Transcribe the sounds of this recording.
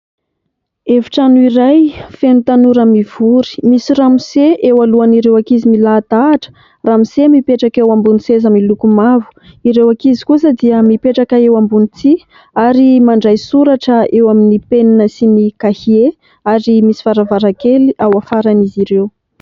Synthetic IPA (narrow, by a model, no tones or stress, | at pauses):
eviʈ͡ʂanuiɾajfenut̪anuɾamiv̥uɾi̥misiramiseʔewaluaniɾewakizimilat̪aːʈ͡ʂə̥ | ramisemipeʈ͡ʂakewambunisezamilukumavu̥iɾewakizi̥kusəd̪iəmipeʈ͡ʂakaewambunit͡s̪i | aɾimaɳɖ͡ʐajsuɾaʈ͡ʂəewaminipeninəsinikahie | aɾimisi̥faɾavaɾakeliʔawafaɾaniziɾew